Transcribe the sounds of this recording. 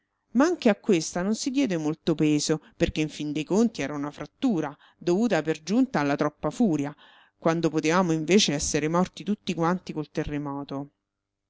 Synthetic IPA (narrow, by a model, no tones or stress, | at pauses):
maaŋk̟eakːwest̪anonsid̪jɛːd̪emolt̪opeːzoperkeiɱfind̪ejkont̪iɛːɾaunafɾat̪ːuːɾa | d̪ovuːt̪aperd͡ʒunt̪aːlːat̪ɾɔpːafuːɾja | kwand̪opot̪evaːmoiɱveːt͡ʃeɛsːeɾemɔrt̪it̪ut̪ːikwant̪ikolt̪erːemɔːt̪o